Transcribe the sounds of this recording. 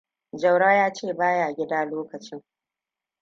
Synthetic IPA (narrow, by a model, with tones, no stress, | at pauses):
d͡ʒɐ˨wɽaː˦jaː˦t͡ʃeː˦˨baː˦jaː˨ɡʲɪ˦daː˦loː˦kɐ˨t͡ʃɪ˦ŋ